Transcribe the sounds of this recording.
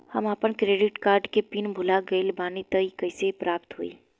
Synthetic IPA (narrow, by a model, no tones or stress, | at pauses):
hɐmaːpənkɾeːɖɪʈkaːɾɖkepinbʱʊlaɡɐilbaːnit̪əikɐɪsepɾaːpt̪ɦuḭː